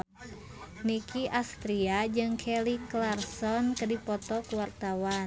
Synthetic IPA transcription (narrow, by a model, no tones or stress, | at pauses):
nikiʔast̪ɾiad͡ʒɨŋkʰɛliklarsɔnkədipɔt̪ɔkuwart̪awa